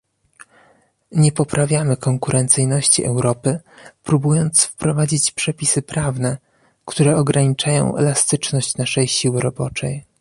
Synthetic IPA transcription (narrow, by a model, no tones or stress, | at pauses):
ɲɛpɔpɾavʲjamɘkɔŋkuɾʔɛnt̪sɘjnɔɕt͡ɕḭʔɛwɾɔpɘpɾubujɔnt̪sfpɾɔvad͡ʑit͡ɕpʂɛpʲisɘpɾavnɛ | kt̪uɾɛɔɡɾaɲit͡ʂajɔ̰̃w̃ɛ̰last̪ɘt͡ʂnɔɕt͡ɕnaʂɛjɕiwɘɾɔbɔt͡ʂɛj